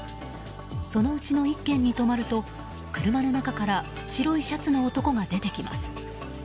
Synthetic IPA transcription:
so̞no̞ɯ̟t͡ɕino̞ikːẽ̞ɲ̟ːit̪o̞maɾɯ̟t̪o̞ | kɯ̟ɾɯ̟mano̞nakakaɾa | ɕiɾo̞iɕat͡sɨnoːt̪o̞ko̞ɡad̪e̞t̪e̞kʲima̰sɨ̥

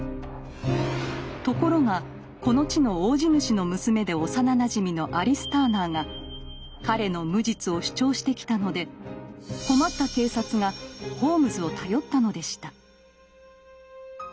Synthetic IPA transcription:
t̪o̞ko̞ɾo̞ŋa | ko̞no̞t͡ɕino̞oːʑinɯ̟ɕino̞mɯ̟sɨme̞d̪e̞o̞sananaʑimʲino̞ʔaɾʲisɨ̥t̪anaːŋa | kaɾe̞no̞mɯ̟d͡ʑit͡sɨo̞ɕi̥t͡ɕo̞ːɕi̥t̪e̞kʲi̥t̪ano̞d̪e̞ | ko̞mat̪ːake̞ːsat͡sɨŋaho̞ːmɯ̟zɨo̞t̪ʰajo̞t̪ːano̞d̪e̞ɕi̥t̪a

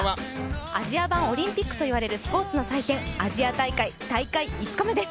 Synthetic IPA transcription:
a | a̰ʑiabão̞ɾʲĩmpʲikːɯ̟t̪o̞iβaɾe̞ɾɯ̟sɨ̥po̞ːt͡sɨno̞sait̪ẽ̞ŋaʑiat̪aikait̪aikaiːt͡sɨ̥komed̪e̞sɨ̥

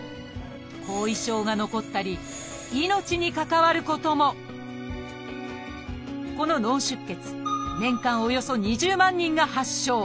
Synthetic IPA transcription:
kʰo̞ːiɕo̞ːɡano̞ko̞t̪ːaɾʲi | ino̞t͡ɕiɲ̟ikakaβaɾɯ̟ko̞t̪o̞mo̞ | ko̞no̞nõ̞ɰ̃ɕɨkːe̞t͡sɨ̥nẽ̞ŋkãɰ̃o̞jo̞so̞ɲ̟iʑɨːmãɲ̟ːĩŋɡahaɕːo̞ː

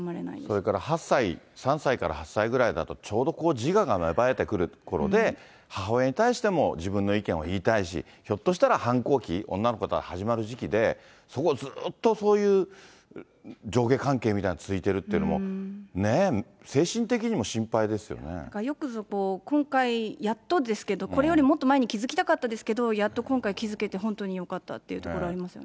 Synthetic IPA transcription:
maɾeaso̞ɾe̞kaɾahasːaisãɰ̃saikaɾa̰hasːaiɡɯ̟ɾaid̪a̰t̪ot͡ɕo̞ːd̪o̞ko̞ːd͡ʑiɡaɡamebae̞t̪ekɯ̟ɾɯ̟ko̞ɾo̞̰d̪e̞ | haɦaːeɲ̟it̪aiɕi̥t̪e̞mo̞d͡ʑibɯ̟̃nːo̞ikẽ̞ɰ̃a̰iːt̪aiɕḭ | ço̞t̪ːo̞ɕi̥t̪aɾahãŋko̞ːkʲiõ̞̰nːano̞kot̪aɾahaʑimaɾɯ̟ʑikʲid̪e̞ | so̞ko̞zɨːt̪ːo̞so̞ːjɯ̟ː | d͡ʑo̞ːɡe̞ːkãŋke̞ːmit̪ainat͡sɨit̪e̞ɾɯ̟t̪ːeiɯ̟nomone̞ | se̞ːɕĩnt̪e̞k̬ʲiɲ̟imoɕĩmpaid̪e̞sɨjo̞̰nḛakajo̞kɯ̟zoko̞ːkõ̞ŋkaijat̪ːod̪e̞sɨ̥ke̞d̪o̞ko̞ɾe̞jo̞ɾʲimo̞t̪ːomaeɲ̟ikʲizɨkʲi̥t̪akat̪ːad̪e̞sɨ̥ke̞d̪o̞jat̪ːo̞kõ̞ŋkaikʲizɨke̞t̪e̞ɦõ̞nt̪o̞ɲ̟ijo̞kat̪ːa̰t̪ːe̞iɯ̟t̪okoɾo̞aɾʲimasɨjone

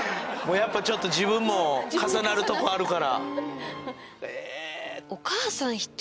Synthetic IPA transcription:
mo̞ːjapːat͡ɕo̞t̪ːo̞ʑibɯ̟̃mːo̞kasanaɾɯ̟t̪o̞koaɾɯ̟kaɾa̰ | e | okaːsãɰ̃çi̥t̪ː

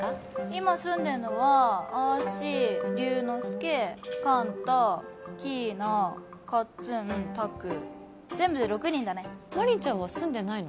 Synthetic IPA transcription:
a | imasɨ̃nd̪e̞ɾɯ̟no̞βaaːɕiɾʲɯːnosɨ̥kekãnt̪akʲiːnakat͡sɨnt̪akɯ̟ | zẽ̞mbɯd̪eɾo̞kɯ̟ɲ̟ĩnd̪anemaɾʲiɲt͡ɕãɰ̃βasɨ̃nd̪e̞naino

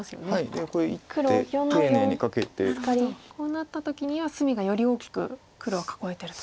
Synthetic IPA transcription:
asɨjo̞̰neaid̪ekoɾeitkɯɾoeononeoɲikake̞t̪ḛkaɾʲikʰo̞ːnat̪ːat̪o̞kʲiɲ̟iβasɨmʲiɡajo̞ɾʲio̞ːkʲi̥kɯ̟̰ | kɯ̟ɾo̞ːkḁko̞e̞t̪e̞ɾɯ̟t̪o̥

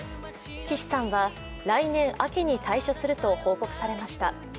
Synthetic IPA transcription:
kʲiɕi̥sãɰ̃βa | ɾainẽ̞ɰ̃ʔakʲiɲ̟it̪ʰaiɕo̞sɨɾɯ̟t̪o̞ho̞ːko̞kɯ̟̥saɾe̞maɕi̥t̪a

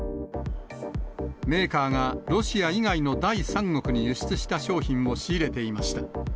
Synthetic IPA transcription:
me̞ːkaːŋaɾo̞ɕiaiɡaino̞d̪aisãŋːo̞kɯ̟ɲ̟ijɯɕi̥t͡sɨɕi̥t̪aɕo̞ːçĩmːo̞ɕiːɾe̞t̪e̞imaɕi̥t̪a

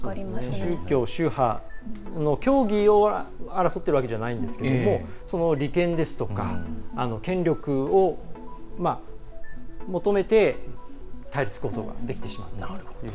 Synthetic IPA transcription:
ɕɨːkʲo̞ːɕɨːha | no̞kʲo̞ːɡʲio̞aɾasot̪ːeɾ̟βake̞ʑanaĩnd̪e̞sɨ̥ke̞ed̪omo̞sono̞ɾʲikẽ̞nd̪e̞sɨ̥t̪o̞kaːno̞kẽ̞ɲɾʲo̞kɯ̟o | ma | mo̞t̪o̞me̞t̪e̞ | t̪aiɾʲit͡sɨ̥ko̞ːzo̞̰ɡa̰d̪e̞kʲi̥t̪e̞ɕima̰t̪ːa

